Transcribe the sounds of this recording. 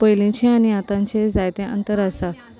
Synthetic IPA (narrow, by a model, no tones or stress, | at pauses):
pəjlẽt͡ɕẽañiat̪ãɲt͡ɕed͡zajt̪ẽʔə̰nt̪əɾəsa